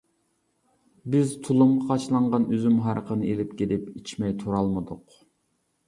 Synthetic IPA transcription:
bɪzt̪ʰulˠumʁɑqʰɑt͡ʃlˠɑɴʁɑnøzymɦɑɾəqʰənɨelɪp̚kʲelɪpit͡ʃʰmɛjt̪ʰuɾɑlˠmɨd̪ʊq

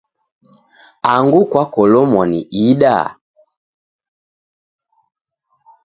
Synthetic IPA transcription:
aŋɡukwakɔlɔmɔnḭʔiɗa̰

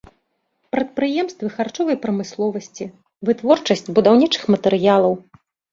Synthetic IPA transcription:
pɾɐt̪̚pɾɨjɛmst̪vɨxart͡ʂɔvɐjpɾɐmɨslˠɔvɐsʲt͡sʲi | vɨt̪vɔrt͡ʂɐsʲt͡sʲbud̪awnʲit͡ʂɨ̥xmɐt̪ɛɾɨjalˠɐw

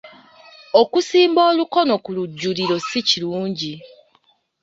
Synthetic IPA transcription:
okusiːmbo̞ːluko̞no̞kuluɟːuliɾo̞siciɾuːɲɟi

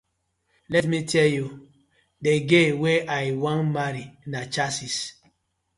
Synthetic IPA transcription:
lɛtmitʰɛlju | deɡeweʔajwãnmaɾinat͡ʃasis

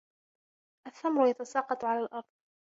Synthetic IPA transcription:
ʔaθːamɾʊjat̪asɑːqɑt̪ˤʕalaːlʔɑɾˤd̪̚ˤ

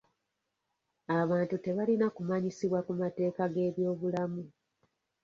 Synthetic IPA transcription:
aβaːntute̞βalinakumaɲisiβwakumate̞ːkaɡe̞ːβjo̞ːβulamu

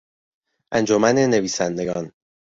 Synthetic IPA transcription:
ʔænd͡ʒomæne̞neviːsænd̪e̞ɡɒːn

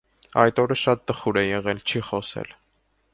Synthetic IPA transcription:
ɑjt̪ɔɾəʃɑt̪̚ːəχuɾɛjɛʁɛlt͡ʃʰiχɔsɛ̰l

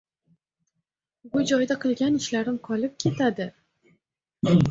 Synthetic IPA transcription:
bʊd͡ʒɒjd̪aqʰɨlˠɡʲanɪʃlaɾɪmqʰɒlɪp̚kʲʰe̞t̪ʰad̪ɪ

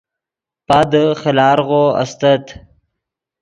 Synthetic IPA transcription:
pad̪əxɪlɑːɾɣoa̰st̪ət̪

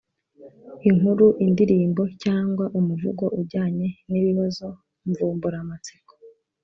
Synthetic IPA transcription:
iŋhuɾuʔindiɾiːmbo̞caːŋɡwaʔumuvuɡo̞ʔuɾɟaːɲe̞niβiβazo̞ | ɱvuːmbuɾamat͡si̥ko̥

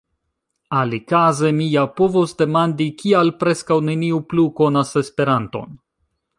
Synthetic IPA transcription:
alikaze̞mijapo̞vosde̞mandikialpɾe̞skawne̞niupluko̞nase̞spe̞ɾanto̞̰n

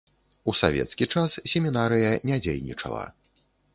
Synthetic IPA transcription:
usavʲɛ̰t̪skʲit͡ʂassʲɛmʲinaɾɨjɐnʲad͡zʲḛjnʲḭt͡ʂɐ̰lˠɐ̰

